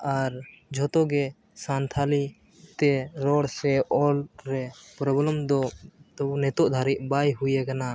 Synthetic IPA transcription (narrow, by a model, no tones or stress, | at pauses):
aɾd͡ʒʱɔt̪ɔɡɛ | sant̪ʰali | t̪ɛɾɔɽsɛʔɔlɾɛpɾɔblɔmd̪ɔt̪ɔnɛt̪ɔʔd̪ʱaɾiʔ̚bajɦujɛkana